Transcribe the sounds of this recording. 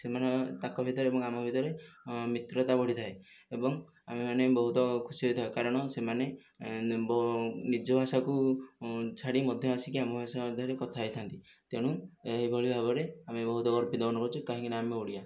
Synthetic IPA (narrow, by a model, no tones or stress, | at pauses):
semanet̪akɔbʱit̪ɔɾeebɔŋamɔbʱit̪ɔɾemit̪ɾɔt̪abɔɽ̤it̪ʰae | ebɔŋ | amemanebɔɦut̪ɔkʰusiɦɔjt̪ʰaekaɾɔɽ̃ɔsemane | bɔnid͡ʒɔbʱasaku | t͡ʃʰaɽimɔd̪ʱjɔasikiamɔbʱasad̪ʱɔɾekɔt̪ʰaɦjt̪ʰant̪i | t̪eɽ̃ueɦibʱɔɭibʱabɔɾeamebɔɦut̪ɔɡɔɾpid̪ɔnɔkɔɾut͡ʃʰukaɦĩkinaameuɽia